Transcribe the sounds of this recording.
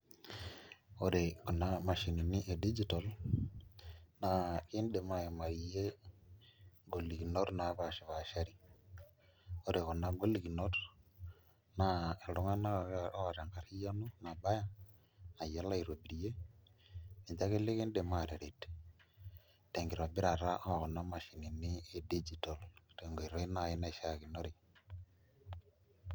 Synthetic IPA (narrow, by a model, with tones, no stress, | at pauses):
o˦ɾe˨kɔ˨nːa˦ma˨ʃi˨ni˨nɪ˦ʔe˨di˦d͡ʒi˨˦tɔ˨l | na˨kɪ˦nde˨ma˦e˨ma˨ɾi˨je˦ | ŋɡo˨li˨ki˨no˦ɾna˨˦pa˨ʃɪ˨βa˨ʃa˦ɾi˦ | o˦ɾe˨kɔ˨na˦ŋɡo˦li˨ɡi˨no˦ɾ | na˦˨e˨lʊ˦ŋa˦na˦˨˦a˨ɾa˨ŋka˨ɾi˦ja˦nu˦na˨ba˦ja˦ | a˨ja˦la˦i˨ɾo˨bi˨ɾi˨je˦ | ni˨ɲd͡ʒa˦ke˦le˦ke˦nde˨ma˨ɾe˨ɾe˨t | te˨ŋɡɪ˨ɾɔ˨bɪ˦ɾa˨ɾa˦ʔa˦a˨kɔ˨nːa˦ma˨ʃi˨ni˨nɪ˦e˨di˦d͡ʒi˨tɔ˨lte˨ŋɡo˨i˨ɾɔ˦i˦na˦˨ɪ˦na˦˨ʃa˦˨kɪ˨no˦ɾɪ˨